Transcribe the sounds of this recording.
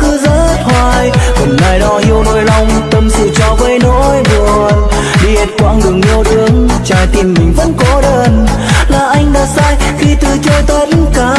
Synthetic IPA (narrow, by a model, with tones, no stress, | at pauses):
kɨ˧˦zə̰˧˥t̚hwaː˧˩jhə˨˩nnaː˧˩jɗɔ˧hi˧əwno̰˧˥jla˧wŋ͡mt̪ə˧msɨ̰˧˩t͡ɕɔ˧˩və˧jno̰˧˥jɓu˨˩ət̚ | ɗi˧˩e˨˧˩t̚kwa̰ː˧˥ŋɗɨ˨˩əŋmi˧əwt̪ɨ˨˦əŋt͡ɕaː˧˩jt̪i˧˩mːï˨˩ŋ̟və̰˧˥nkɔ˨˦ɗəː˧˩n | laː˨˩ʔa˧jŋ̟ɗaː˧˥saː˧jxi˧t̪ɨ˨˩t͡ɕo˧jt̪ə˧˦tkaː˨˦